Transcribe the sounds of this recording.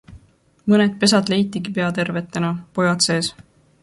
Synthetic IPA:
mɤned̪̚pe̞s̬ɑd̪le̞jt̪ːˑiɡipe̞ɑt̪e̞rve̞t̪ːˑe̞nɑpo̞jɑt̪se̞ːs

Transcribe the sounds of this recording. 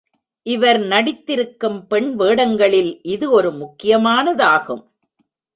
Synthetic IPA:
ʔɪʋɐɾnɐɽɪt̪ːɪɾɯkːɯmpɛɳʋeːɽɐŋɡɐɭɪlʔɪðɯɔɾɯmʊkːɪjɐmaːnɐðaːɣɯ̰m

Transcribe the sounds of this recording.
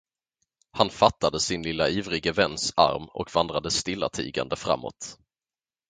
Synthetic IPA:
hanfat̪ːad̪əsɪnlɪlːaiːvɾɪɡəvɛnːsa̰ɾmɔ̰kvand̪ɾad̪əst̪ɪlːa̰t̪ʰḭːɡa̰nd̪əfɾa̰mːo̰t̪

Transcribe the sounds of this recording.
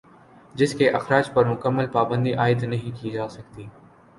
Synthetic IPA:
d͡ʒɪskeʔɐxɾaːd͡ʒpɐɾmʊkəmːəlpaːbə̃nd̪iʔaːɪd̪nɐɦĩkid͡ʒaːsɐkt̪iː

